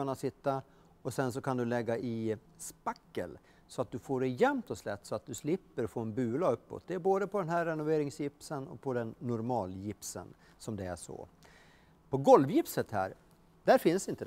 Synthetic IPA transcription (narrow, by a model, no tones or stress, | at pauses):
anasɪt̪ːa | ɔsɛnsɔkʰand̪ɵlɛɡːaʔɪ | spakːə̰l | sɔat̪̚d̪ɵfoːɖɛjɛmt̪ʰɔslɛ̰t̪ːsɔat̪̚d̪ɵslɪpːəɾfɾoːnbʉ̟ːlaɵpːɔ̰t̪̚d̪ɛːɾboːd̪əpʰɔd̪ɛnɦæɾːɛnʊveːɾɪŋsjɪpsənɔ̰k̚pʰɔd̪ɛnːʊɾmɑːljɪpsə̰n | sɔmd̪ɛæʂɔ̰ | pʰɔɡɔlvjɪpsət̪hæ̰ːɾ | d̪æɾfɪnsɪnt̪ə